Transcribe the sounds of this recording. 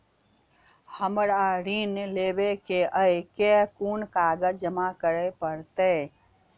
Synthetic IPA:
həmɾaɾineleːbekeʔəjkekuːnkaːɡəd͡ʒd͡ʒəmakəɾepəɾt̪e

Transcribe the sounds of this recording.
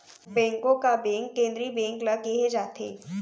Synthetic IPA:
bɛ̃ːŋkõkabɛ̃ːŋkːẽːnd̪ɾibɛ̃ːŋklaɡeɦed͡ʒaːt̪ʰḛː

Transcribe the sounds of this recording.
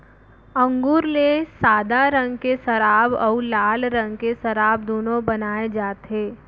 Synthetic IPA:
ə̃ŋɡuːɾlesaːd̪aɾə̃ŋɡkesɐɾaːbɔːlaːlɾə̃ŋɡkesɐɾaːbd̪oːnõbɐnaːed͡ʒaːt̪eː

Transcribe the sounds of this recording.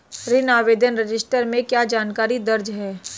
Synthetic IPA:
ɾɪnaːʋeːd̪ʱənɾɪd͡ʒɪsʈəɾmẽkjaːd͡ʒaːnkaːɾid̪ɐɾd͡ʒɦɛː

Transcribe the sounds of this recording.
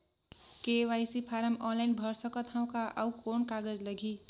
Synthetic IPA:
kewajsipʰaɾʌmɔnlajnbʱʌɾsʌkʌt̪ʰãw̃kaʔʌwkonkaɡʌd͡zlʌɡʱi

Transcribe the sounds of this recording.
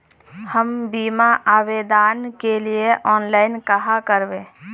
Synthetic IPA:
həmbiːmaʔaːbed̪aːnkelieʔɔːnlaːɪnkəɦakəɾbẽ

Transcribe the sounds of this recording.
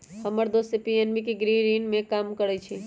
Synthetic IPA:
həməɾd̪osepienʋikiɡɾiɾinmẽkamkəɾət͡ʃʰi

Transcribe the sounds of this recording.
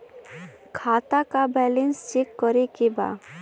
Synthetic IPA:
kʰaːt̪akabɛlenst͡ʃikːɔɾekeba̰

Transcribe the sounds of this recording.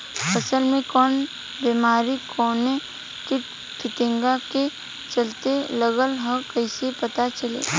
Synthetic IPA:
pəsəlmẽkɔːn | beːmaːɾikʰɔːne | kɪʈ | kʰɪʈẽŋɡake | t͡ʃɐlt̪eləɡəlɦə̃kəɪsepɐt̪at͡ʃəlḛː

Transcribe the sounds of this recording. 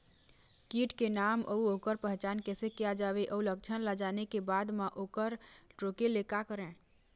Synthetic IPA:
kiʈkenamə̰uokəɾpəɦt͡ʃankesekɛjad͡ʒabeʔəulək̚t͡ʃʰənlad͡ʒanekebad̪maʔokəɾʈɾokelekakəɾẽ

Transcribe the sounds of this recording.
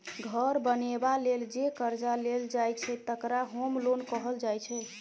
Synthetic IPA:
ɡʱəɾbənebaleld͡ʒekəɾd͡ʒaleld͡ʒajt͡ʃʰɛt̪əkɾaɦomlonkəɦəld͡ʒajt͡ʃʰɛ

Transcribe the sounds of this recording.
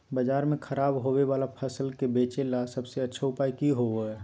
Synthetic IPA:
bəd͡ʒaːɾmẽkʰəɾaːbɦoweʋaːlapʰəsəlkebeːt͡ʃelasəbseɐtːʃʰaʊpaːikiɦooɛ

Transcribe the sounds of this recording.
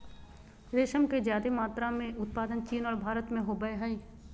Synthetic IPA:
ɾeːʃəmked͡ʒjaːd̪emaːt̪ɾamẽʊt̪̚paːd̪ənt͡ʃiːnɔːɾbʱaːɾət̪mẽɦobəeɦəiː

